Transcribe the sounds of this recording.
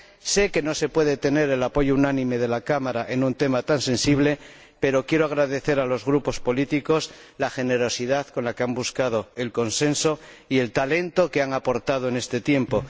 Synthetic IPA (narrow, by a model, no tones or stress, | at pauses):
se̞ke̞no̞se̞pwe̞ðet̪e̞ne̞ɾe̞lapo̞ʝounanĩme̞ðe̞lakamaɾaʔe̞nũnt̪e̞mat̪ansẽ̞nsiβ̞le̞ | pe̞ɾo̞kje̞ɾoaɣ̞ɾaðe̞θe̞ɾalo̞zɣɾupo̞spo̞lit̪iko̞s | laxe̞ne̞ɾo̞siðaðko̞nlakeambuskað̞o̞e̞lko̞nsẽ̞nso̞ | ie̞lt̪ale̞nt̪o̞keaŋapo̞ɾt̪að̞oene̞st̪e̞t̪je̞mpo̞